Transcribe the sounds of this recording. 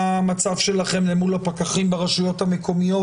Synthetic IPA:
mat͡savʃe̞laχe̞mlemulapakaχimbeʁaʃujo̞thamekʰo̞mijo̞

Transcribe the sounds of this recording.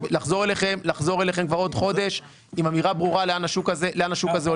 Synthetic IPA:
laχzo̞ʁeleχe̞mlaχzo̞ʁeleχemkvaʁo̞d̪χo̞d̪e̞ʃ | imamiʁabʁuʁaleanaʃukazeleanaʃukaze

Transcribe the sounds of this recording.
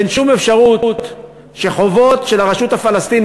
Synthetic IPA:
enʃumefʃaʁut̪ | ʃe̞χo̞vo̞t̪ʃe̞laʁaʃuthafalast̪in

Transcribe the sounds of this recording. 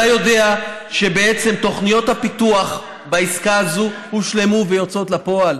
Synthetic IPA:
ajo̞de̞aʃe̞be̞et͡se̞mt̪o̞χnijo̞t̪hapit̪uaχ | baiskaːzuhuʃle̞muvejot͡so̞t̪lapo̞al

